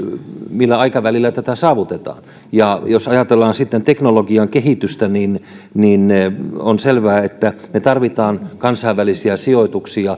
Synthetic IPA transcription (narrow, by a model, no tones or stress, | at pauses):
milːæɑikɑʋælilːæt̪æt̪æsɑːʋut̪et̪ɑ̰ː | jɑjosɑjɑt̪elːɑːnsit̪ːent̪eknoloɡiɑŋkeɦit̪yst̪ænin | nineonselʋæːet̪ːæmet̪ɑrʋit̪ɑːnkɑnsɑiʋːælisiæsioit̪uksiɑ